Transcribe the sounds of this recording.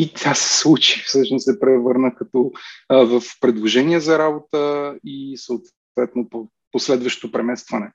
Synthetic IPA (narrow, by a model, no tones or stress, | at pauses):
it̪ʰʲasɛ̥slˠut͡ʃi̥fsɤʃnossɛpɾɛvɤɾnəkɐt̪ɔvəfpɾɛd̪lˠoʒɛniəzɐɾabot̪əisəot̪ | t̪vɛt̪nopo | poslɛd̪vəʃt̪t̪opɾɛmɛst̪vɐnɛ